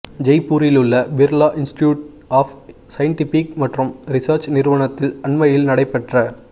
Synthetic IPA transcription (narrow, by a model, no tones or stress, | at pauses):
d͡ʒɐɪpːuːɾɪlɯɭːɐbɪɾlaːʔɪnsʈjuːʈ̚ | aːf | sɐjɐɳʈɪfikmɐʈrɯmɾɪsɐːɾt͡ʃnɪɾɯʋɐɳɐt̪ːɪlɐɳmɐjɪlnɐɽɐɪpːɛʈrɐ